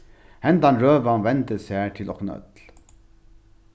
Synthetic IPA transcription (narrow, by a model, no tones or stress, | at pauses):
hɛnd̪anɾøːʋanʋɛnt̪əshæːt̪ʰɪlɔknœ̰t̪l